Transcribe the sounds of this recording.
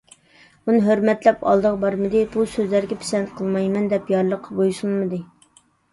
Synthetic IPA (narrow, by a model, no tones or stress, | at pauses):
bunɨɦøɾmɛt̪lɛpɑ̰lˠd̪əʁbɑɾmɨd̪ɨbusøzlæɾɡʲɛpʰi̥sɛnt̪qʰəlˠmɑjmɛnd̪ɛpjɑɾlˠəqʰːɑbojsulˠmɨd̪ɨ